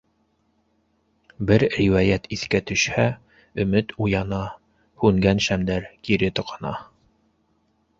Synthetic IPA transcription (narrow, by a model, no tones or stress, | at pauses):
bɘɾriwɑjæt̪iθkæt̪ɵ̆ʃhæ | ɵ̆mɘt̪ujɑnɑ | hʉŋɡænʃæmd̪æɾkiɾɘt̪ŏqʰɑ̥nɑ̰